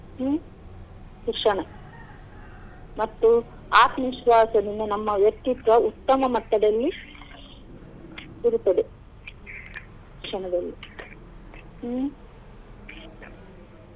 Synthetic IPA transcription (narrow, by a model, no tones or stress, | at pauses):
sukʂɐɳɐ | mɐt̪ːu | aːt̪mimʃʋaːsɐninːenɐmːɐʋjɐkt̪ːit̪ʋɐut̪ːɐmɐmɐt̪ːɐd̪ɐlːi | iɾut̪ːɐd̪e | uɾkʂɐɳɐd̪ɐlːi